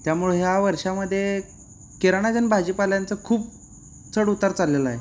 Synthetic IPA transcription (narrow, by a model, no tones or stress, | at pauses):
t̪jamuɭeɦjaʋəɾʂaməd̪ʱːje | keɾaɳ̃ad͡zənbʱad͡ʑipaljant͡səkʰuːp̚ | t͡səɽut̪ːəɾt͡salːela̰e